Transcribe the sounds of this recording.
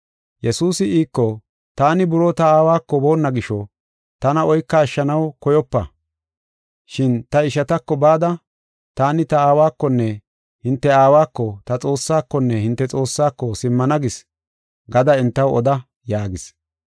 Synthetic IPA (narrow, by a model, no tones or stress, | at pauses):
jɛsuːsɪiːkːɔ | t̪aːnɪbʊɾoːt̪ɐaːwaːkːɔbo̞ːnːɐɡɪʃɔ | t̪ɐnɐɔjkːɐːʃːɐnɐwkɔjɔpːɐ̰ | ʃɪnt̪ɐɪʃɐt̪ɐkːɔbaːd̪ɐ | t̪aːnɪt̪ɐaːwaːkːɔnːɛ | hɪnt̪ːɛaːwaːkːɔt̪ɐt͡sʼo̞ːsːaːkːɔnːɛhɪnt̪ːɛt͡sʼo̞ːsːaːkːɔsɪmːɐnɐɡɪs | ɡɐd̪ɐɪnt̪ːɐwɔd̪ɐ | jaːɡɪs